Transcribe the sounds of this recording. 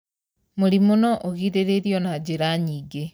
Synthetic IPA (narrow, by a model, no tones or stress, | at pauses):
moɾimonɔʔoɣiɾeɾeɾjɔnad͡ʑeɾaɲiːɡe